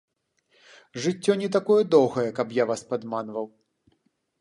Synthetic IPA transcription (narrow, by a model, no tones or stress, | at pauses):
ʐɨt͡sʲːɔnʲɛt̪akɔjɛd̪ɔwɣɐjɛkɐpjavaspad̪manvɐw